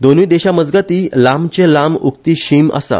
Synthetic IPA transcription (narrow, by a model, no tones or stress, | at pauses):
d̪onũjd̪eɕaməd͡zɡat̪iːlamt͡ɕẽlamṵkt̪iːɕima̰sa̰